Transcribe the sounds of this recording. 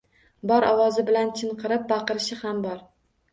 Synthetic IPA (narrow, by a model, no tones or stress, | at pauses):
bɒɾʔɒwɒzɪbɪlant͡ʃʰɪɴqʰɨɾɪp̚bɑqɨɾɪʃɪhambɒɾ